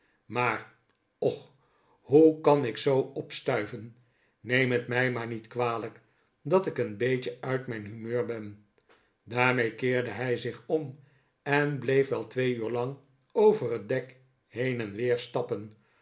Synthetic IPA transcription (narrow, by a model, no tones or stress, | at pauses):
maːɹ | ɔχ | ɦukɑnɪksowɔpstœɥvənː | ejmətmɛjmaːɹnitkʋaːlək | dɑtɪkənbejcəœɥtmɛjnɦymøːɹbɛn | daːɹmejkɪːɹdəɦɛjzɪχɔm | ɛnblejfʋɛlˠtʋejyːɹlɑŋ | owvərət̚dɛk | ɦejnɛnʋɪːɹstɑpən